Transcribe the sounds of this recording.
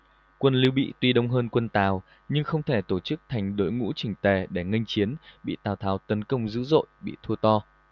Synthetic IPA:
kwə˧nli˧wɓḭ˧˨t̪wi˧ɗə˧wŋ͡mɦəː˧nkwə˧nt̪aː˨˩w | ɲɨ˧ŋxə˧wŋ͡mt̪ʰe˧˩t̪o˧˩t͡ɕɨ˦˥k̚t̪ʰa˨˩jŋ̟ɗo̰˧˥jŋṵ˧˥t͡ɕï˨˩ŋ̟t̪e˨˩ɗe˧˩ŋə˧jŋ̟t͡ɕi˨˦ənɓḭ˧˨t̪aː˨˩wt̪ʰaː˨˦wt̪ə˨˦nkə˧wŋ͡mzɨ̰˧˥zo̰˧˨jɓḭ˧˨t̪ʰu˧t̪ɔ˧

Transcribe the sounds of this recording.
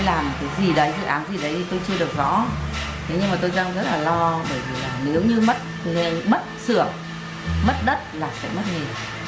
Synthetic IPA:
laː˨˩m˨˩t̚kaː˨˦jzi˨˩ɗə˨˦jzɨ̰˧˨ʔaː˨˦nzi˨˩ɗə˨˦jt̪ʰi˨˩t̪o˧jt͡ɕɨ˧ɗɨ˨˩ək̚zɔ̰˧˥˦t̪ʰe˨˦ɲɨ˧ŋmaː˨˩t̪o˧jzaː˧ŋzə˦˥t̚laː˨˩lɔ˧ɓəː˧˩jvi˨˩laː˨˩ne˨˦wɲɨ˧mə˦˥t̚ŋe˧mə˦˥t̚sɨ˧˩əŋ | mə˦˥t̚ɗə˦˥t̚laː˨˩sɛ̰˧˥mə˦˥t̚ŋe˨˩

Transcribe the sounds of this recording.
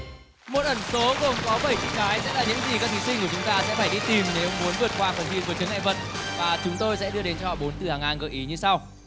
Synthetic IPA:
mo˨˩t̚ʔə˧˩nso˨˦ɣo˨˩ŋ͡mkɔ˨˦wɓə˧˩jt͡ɕḭ˧˥ŋ̚ɗaː˨˦jsɛ̰˧˥laː˨˩ɲɨ̰˧˥ŋzi˨˩kaː˦˥kt̪ʰi˨˦si˧ŋku˧˩ət͡ɕʊ˨˦ŋ͡mt̪aː˧sɛ̰˧˥faː˧˩jɗi˧t̪i˨˩mne˨˦wŋ͡mmu˨˦ənvɨ˨˩ət̚kwaː˧˩fə˨˩nḭ˧vɨ˨˦t͡ɕɨ˨˦ŋa̰˧˨və̰˧˨n | vaː˨˩t͡ɕʊ˨˦ŋ͡mt̪o˧jsɛ̰˧˥ɗɨ˧əɗe˨˦nt͡ɕɔ˧hɔ̰˧˨ɓo˨˦nt̪ɨ˨˩haː˨˩ŋaː˨˩nɣəː˨˩ʔi˨˦ɲɨ˧sa˧w

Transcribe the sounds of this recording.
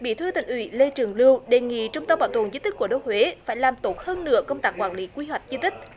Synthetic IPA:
ɓi˧˩t̪ʰɨ˧t̪ï˧˨˩ŋ̟ʔwḭ˧˩˦le˧t͡ɕɨ˨˩əŋlɨ˧əwɗe˨˩ŋḭ˧˨t͡ɕʊ˧ŋ͡mt̪ə˧mɓaː˧˨˩wt̪o˨˩ənzi˨˦t̪i˦˥k̚ːu˧˩ɗo˧˦j̚hwe˨˦faː˧˩jlaː˨˩mt̪o˦˥t̚həː˧nːɨ̰˧˥əkə˧wŋ͡mt̪aː˦˥kwaː˧˩nli˨˦kwi˧ɦwa˨˩jk̟̚zi˧t̪ï˦˥k̟̚

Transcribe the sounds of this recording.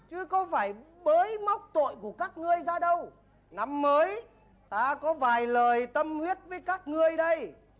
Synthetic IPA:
t͡ɕɨ˨˦kə˧wfaː˧˩j | ɓəː˨˦jma˦˥wk͡p̚t̪o̰˧˨jku˧˩əkaː˦˥k̚ŋɨ˧əjzaː˧ɗə˧w | na˨˦mːəː˨˦j | t̪aː˧kɔ˨˦vaː˨˩jləː˨˩jt̪ə˧mhwi˦˥ət̚vəː˨˦jkaː˦˥k̚ŋɨ˧əjɗə˧j

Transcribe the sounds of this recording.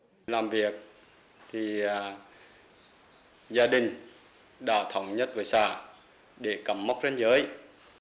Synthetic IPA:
laː˨˩mvi˨˩ək̚ | t̪ʰi˨˩˨ | zaː˧ɗï˨˩ŋ̟ | ɗa̰ː˧˥t̪ʰə˨˧˩wŋ͡mɲə˦˥t̚vəː˨˦jsa̰ː˧˩˨ | ɗe˧˩kə˧˩mːa˦˥wk͡p̚t͡ɕe˧˦nzəː˨˦j

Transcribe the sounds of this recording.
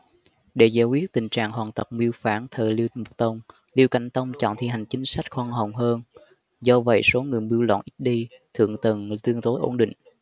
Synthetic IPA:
ɗe˧˩zaː˧˩kwi˦˥ət̚t̪ï˨˩ŋ̟t͡ɕa̰ː˧˨ŋɦwaː˨˩nt̪ə˨˩k͡p̚mi˧əwfaː˧˩nt̪ʰəː˨˩li˧əwmu˨˩k͡p̚t̪ə˧wŋ͡m | li˧əwka̰˧˩jŋ̟t̪ə˧wŋ͡mt͡ɕɔ̰˧˨nt̪ʰi˧˩ɦa˨˩jŋ̟t͡ɕï˨˦ŋ̟sa˦˥jk̟̚xwaː˧nɦə˨˩wŋ͡mɦəː˧n | zɔ˧və̰˧˨jso˨˦ŋɨ˨˩əjɓi˧əwlɔ̰˧˨nʔi˦˥ɗi˧t̪ʰɨ̰˧˨əŋt̪ə˨˩nt̪ɨ˧əŋt̪o˨˦jʔo˧˩nɗḭ̈˧˨ŋ̟

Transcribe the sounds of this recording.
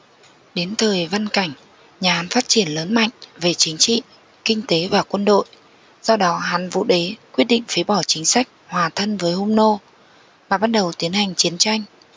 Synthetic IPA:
ɗe˨˦nt̪ʰəː˨˩jva˧nka˧˩jŋ̟ | ɲaː˨˩ha˨˦nfaː˦˥t̚t͡ɕi˧˩ənləː˨˦nma̰˧˨jŋ̟ve˨˩t͡ɕï˨˦ŋ̟t͡ɕḭ˧˨ | kï˧ŋ̟t̪e˨˦vaː˨˩kwə˧nɗo̰˧˨j | zɔ˧ɗɔ˨˦ɦa˨˦nvṵ˧˨ɗe˨˦kwi˦˥t̚ɗḭ̈˧˨ŋ̟fi˨˦ɓɔ˧˩t͡ɕï˨˦ŋ̟sa˦˥jk̟̚hwaː˨˩t̪ʰə˧nvəː˨˦jhu˧ŋ͡mno˧ | maː˨˩ɓaː˦˥t̚ɗə˨˩wt̪i˨˦ənha˨˩jŋ̟t͡ɕi˨˦ənt͡ɕa˧jŋ̟

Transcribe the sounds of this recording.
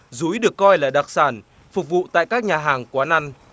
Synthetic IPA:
zu˨˦jɗɨ˨˩əkːɔ˧jlaː˨˩ɗa˨˩k̚saː˧˩n | fʊ˨˩k͡p̚vṵ˧˨t̪a̰ː˧˨jkaː˦˥k̚ɲaː˨˩ɦaː˨˩ŋkwaː˨˦na˧n

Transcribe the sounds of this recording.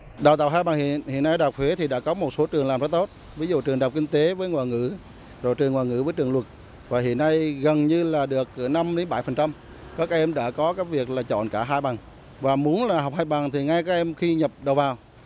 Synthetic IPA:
ɗaː˨˩wt̪a̰ː˧˨wɦaː˧jɓa˨˩ŋhḭ˧˨ənhḭ˧˨nːa˧jɗaː˨˩k͡p̚t̪ʰwe˨˦t̪ʰi˨˩ɗa̰ː˧˥kɔ˨˦mo˨˩t̚so˨˦t͡ɕɨ˨˩əŋlaː˨˩mza˨˦˥t̪o˦˥t̚ | vi˨˦zṵ˧˨t͡ɕɨ˨˩əŋɗaː˨˩wk͡p̚kï˧ŋ̟t̪e˨˦vəː˨˦jŋwa̰ː˨˩jŋɨ̰˧˥ | zo˨˩jt͡ɕɨ˨˩əŋwaː˨˩jŋɨ̰˧˥vəː˨˦jt͡ɕɨ˨˩əŋlwə˨˩t̚ | vaː˨˩ɦḭ˧˨ənːa˧jɣə˨˩nɲɨ˧laː˨˩ɗɨ˨˩ək̚na˧mɗe˨˦nɓa˧˩jfə˨˩nt͡ɕa˧m | kɔ˨˦˥kaː˦˥k̚ʔɛ˧mɗa̰ː˧˥kɔ˨˦kaː˨˦˥kvi˨˩ək̚laː˨˩t͡ɕɔ̰˧˨nkaː˧˩ɦaː˧jɓa˨˩ŋ | vaː˨˩mu˨˦ənlaː˨˩ɦa˨˩wk͡p̚haː˧jɓa˨˩ŋt̪ʰi˨˩ŋa˧jkaː˦˥k̚ʔɛ˧mxi˧ɲə˨˩p̚ɗə˨˩wvaː˨˩w

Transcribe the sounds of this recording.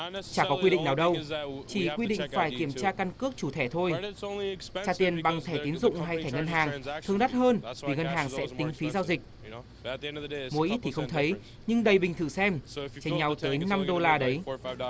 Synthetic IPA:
t͡ɕaː˧˩kɔ˨˦kwi˧ɗḭ˧˨ŋnaː˨˩wɗə˧wt͡ɕi˧˩kwi˧ɗḭ̈˧˨ŋ̟faː˧˩jki˧˩əmt͡ɕaː˧ka˧nkɨ˦˥ək̚t͡ɕu˧˩t̪ʰɛ˧˩t̪ʰo˧j | aː˧˩t̪i˨˩ənɓa˨˩ŋt̪ʰɛː˧˩t̪i˨˦nzʊ̰˧˨ŋ͡mɦa˧jt̪ʰɛː˧˩ŋə˧nɦaː˨˩ŋʰɨ˧əŋɗa˦˥t̚həː˧nvi˨˩ŋə˧nɦaː˨˩ŋsɛ̰˧˥t̪ï˨˦ŋ̟fi˨˦zaː˧wzï˨˩k̟̚ | mu˨˦jʔi˦˥t̚t̪ʰi˨˩xə˧wŋ͡mt̪ʰə˨˦j | ɲɨ˧ŋɗə˨˩jɓï˨˩ŋt̪ʰɨ˧˩sɛ˧mt͡ɕe˧ŋɲa˧wt̪əː˨˦jna˧mɗo˧laː˧ɗə˨˦j

